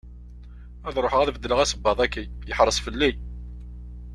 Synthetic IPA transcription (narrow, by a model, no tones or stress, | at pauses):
æðɾˤoħəʁæðvəd̪ːələʁæsəbːɑðˤækːijəħɾˤəsfəlːij